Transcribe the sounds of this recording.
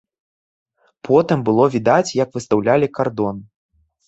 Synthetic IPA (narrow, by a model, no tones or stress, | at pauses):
pʰɔt̪ɨmbɨlˠɔvʲid̪at͡sʲjɐkvɨst̪awlʲalʲikard̪ɔn